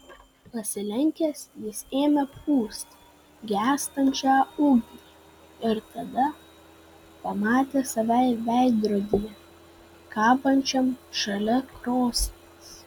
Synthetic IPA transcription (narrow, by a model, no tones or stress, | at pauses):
pɐsʲɪlʲɛŋʲkʲeːsjɪseːmʲɛpuːst̪ | ɡʲæːst̪ɐnʲt͡ʃʲɑːʊɡʲi | ɪɾt̪ɐd̪ɐ | pɐmɑːt̪ʲeːsɐʋʲɛɪʋʲæˑɪd̪ɾoːd̪ʲijɛ | kɑːpɐnʲt͡ʃʲɛmʃɐlʲɛkɾoːsʲt̪ʲes